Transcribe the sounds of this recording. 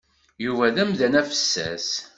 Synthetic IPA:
juvæðæmðænæfə̥sːæ̰s

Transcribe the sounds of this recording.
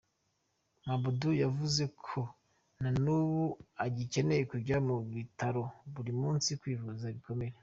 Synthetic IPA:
mabudujavuze̞kʰo̞ | nanuβuaɟice̞ne̞jekuɾɟamuβitaɾo̞βuɾimuːnsikwiːvuzaβiko̞me̞ɾe̞

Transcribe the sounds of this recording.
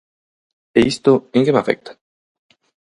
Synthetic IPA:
eist̪oeŋkemafḛk̚t̪ḁ

